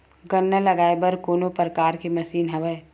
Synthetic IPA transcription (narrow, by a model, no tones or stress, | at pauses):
ɡənːəlɐɡaːebɐɾkoːnopɾəkaːɾkemɐsiːnɦɐʋəe